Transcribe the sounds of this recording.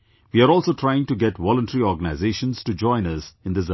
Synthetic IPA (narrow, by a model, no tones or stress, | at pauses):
ʋiaɾɔːlˠsoːʈʰɾaɪɪ̃ŋʈuɡɛʈʋɔlə̃nʈəɾiɔːɾɡənaɪzeːʃə̃nz̥ʈud͡ʒɔ̃ɪ̃nʌzɪ̃nd̪ɪs